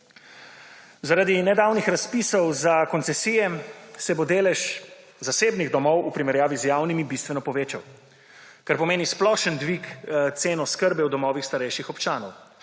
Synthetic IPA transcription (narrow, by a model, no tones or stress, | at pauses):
zaɾad̪inɛd̪aːwnixɾaspiːsɔwzakɔnsɛsiːjɛsɛbod̪eːlɛʃ | zaseːbniɣd̪ɔmɔwupɾimɛɾjaːʋizjaːwnimibist̪vʋɛnɔpɔʋeːt͡ʃa̰w | kaɾpɔmeːnisplɔʃənd̪ʋikt̪seːnɔskəɾbɛwd̪ɔmɔːʋixst̪aɾɛjʃixɔpt͡ʃaːnɔw